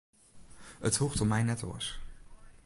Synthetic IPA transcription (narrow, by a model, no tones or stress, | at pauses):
əthuχtɔmɛjnɛtɔ̰s